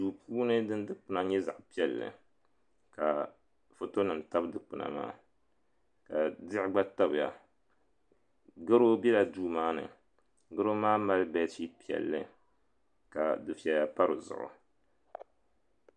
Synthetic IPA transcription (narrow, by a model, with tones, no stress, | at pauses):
duː˨puː˦nɨ˦dɨ˦n˦dɨ˦k͡pɨ˨˦na˦ɲɛ˦za̰˨ʔpi˦ɛ˨lːɨ̰˨ | ka˨ | fo˦to˦nɨ˨m˨ta˦bdɨ˨k͡pɨ˨na̰˨ma̰ː˦ | ka˨dɪ˦ʔɪ˦ɡ͡ba˦ta˦bɨ˨ja̰˨ | ɡɨ˦ɾo˦bɛ˦la˨duː˦maː˦nɨ̰˨ | ɡɨ˦ɾo˦maː˦ma˦lbɛ˦ti˦pi˦˨ɛ̰˨lːɨ̰˨ | ka˨dɨ˨fi˨ɛ˨ja˦pa˦ɾɨ˨zʊ̰˨ʔʊ̰˨